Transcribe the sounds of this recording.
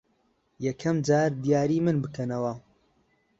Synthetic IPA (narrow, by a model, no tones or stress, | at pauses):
jɐkʰɐmd͡ʒaːɾd̪ijaːɾiːmɨnbɨkʰɐnɐwɐ